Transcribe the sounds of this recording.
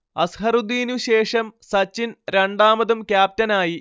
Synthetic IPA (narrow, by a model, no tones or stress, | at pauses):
ɐsɦɐrud̪iːnuɕe̞ːʂɐmsɐt͡ɕːinɾeɳɖaːmɐðumkʲjaːp̚tɐnaːji